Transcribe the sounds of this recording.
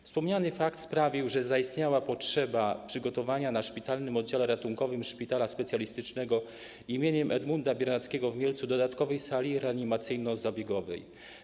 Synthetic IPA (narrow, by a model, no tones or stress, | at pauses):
fspɔmɲanɘfakt̪spɾavʲiwʐɛzaist̪ɲawapɔtʂɛbapʂɘɡɔt̪ɔvaɲanaʂpʲit̪alnɘmɔd̪̚d͡ʑalɛɾat̪uŋkɔvɘmʂpʲit̪alaspɛt̪sʲjalʲist̪ɘt͡ʂnɛɡɔ | imʲjeɲɛmʔɛd̪mund̪abʲjɛɾnat̪skʲɛɡɔvmʲjelt̪sud̪ɔd̪at̪kɔvɛjsalʲiɾɛaɲimat̪sɘjnɔzabʲjɛɡɔvɛ̰j